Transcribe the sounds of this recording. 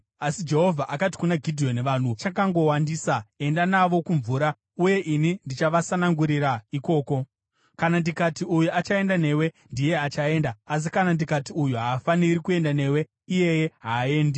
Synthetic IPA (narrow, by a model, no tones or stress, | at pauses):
asid͡ʒe̞ɦo̞vʱaʔakati̥kunaɡʱidʱijo̞neʋan̤ut͡ʃakaŋɡo̞wandiːsae̞ndanaʋo̞kuɱvuːɾa | uje̞ʔinindit͡ʃaʋasanaŋɡuɾiraiko̞ːko̞ | kanandikatiujuat͡ʃae̞ndane̞ːwe̞ | ndije̞at͡ʃae̞ndaːs̬ikanandikatiujuɦaːfaniɾikue̞ndane̞we̞ | ije̞jeɦaːe̞ːnde